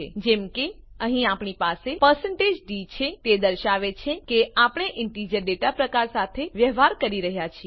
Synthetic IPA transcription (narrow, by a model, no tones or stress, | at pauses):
ed͡ʒemke | əɦĩapɳipasepəɾsə̃ɳʈed͡ʒɖit͡ʃʰet̪ed̪əɾʃaʋet͡ʃʰekeapəɳ̃eʔɪɳʈid͡ʒəɾɖeʈapɾəkaɾsat̪ʰeʋjəɦʋaɾkəɾiɾəɦjat͡ʃʰi